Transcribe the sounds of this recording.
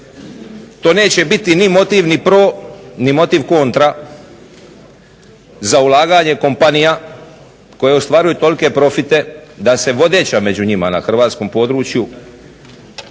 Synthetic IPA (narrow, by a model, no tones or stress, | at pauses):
t̪o̞ːne̞ːt͡ɕe̞bit̪inimo̞t̪iʋnipɾoːnimo̞t̪iʋko̞nt̪ɾa | zaulˠaːɡaɲe̞ko̞mpanija | ko̞je̞ost̪ʋaːɾujut̪o̞like̞pɾo̞fit̪e̞d̪ase̞ʋo̞d̪e̞ːt͡ɕame̞d͡ʑuɲima̰na̰xr̩ʋaːt̪sko̞mpo̞d̪ɾuːt͡ʃju